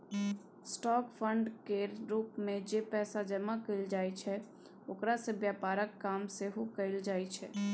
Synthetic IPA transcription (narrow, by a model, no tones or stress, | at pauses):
sʈɔːkpʰəɳɖkeɾuːpmẽd͡ʒepɛːsad͡ʒəmakəɪld͡ʒaːjt͡ʃʰɛ | oːkɾasẽbjapaːɾəkːaːmseɦukəɪld͡ʒaːjt͡ʃʰɛ